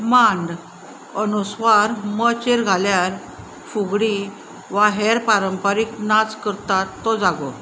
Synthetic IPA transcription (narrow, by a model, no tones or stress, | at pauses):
mãɳɖ | ənusʋaɾmət͡ɕeɾɡʱaljaɾ | fuɡɽi | ʋaɦɛɾpaɾəmpaɾiknad͡zkəɾt̪at̪ːɔd͡zaɡɔ